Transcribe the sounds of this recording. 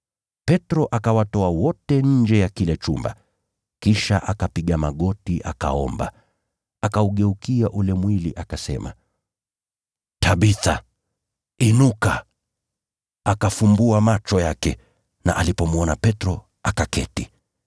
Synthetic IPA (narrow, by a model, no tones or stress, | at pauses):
pɛtɾɔʔakawatɔawɔtɛɲ̩d͡ʒɛjakilɛt͡ʃumba̰ | kiʃaʔakapiɠamaɠɔtiʔaka̰ɔ̰mba̰ | akauɠɛukiaʔulɛmwilḭʔakasɛ̰ma̰ | tʰaɓiθa | inuka | akafumbuamat͡ʃɔjakɛ | na̰ʔalipɔmuɔnapɛtɾɔ | akakɛ̰ti